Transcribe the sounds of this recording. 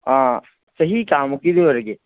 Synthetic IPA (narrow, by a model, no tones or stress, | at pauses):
ã | sɐɦikaːmokid̪eɐɾɡe